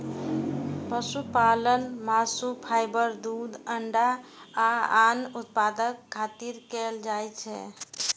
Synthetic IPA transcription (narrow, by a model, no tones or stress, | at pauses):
pəsupalənmasupʰajbəɾd̪ud̪əɳɖaː | anut̪̚pad̪əkʰːat̪iɾkɛld͡ʒajt͡ʃʰɛ̰